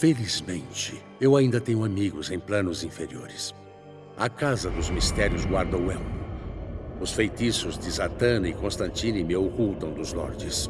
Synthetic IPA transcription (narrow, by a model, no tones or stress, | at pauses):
felizmẽnt͡ʃɪ | ewaĩnd̪ɐt̪ẽɲʊamiɡʊzẽj̃plɐ̃nʊzĩfeɾio̰ɾɪs | ɐkazɐd̪ʊzmist̪ɛɾjʊzɡwaɾd̪ɐwɛlmʊ | ʊsfejt̪isʊzd͡ʒɪzat̪ɐ̃nɐɪkõst̪ɐ̃nt͡ʃĩnimɪokult̪ɐ̃w̃d̪ʊznɔ̰ɾt͡ʃɪs